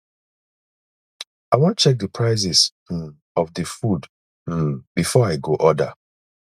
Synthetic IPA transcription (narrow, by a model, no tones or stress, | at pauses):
aɪwɔ̃nt͡ʃɛk̚dəpʰɹaɪzɪs̩ | ɔvdəfud̩ | bifɔaɪɡoʔɔda̰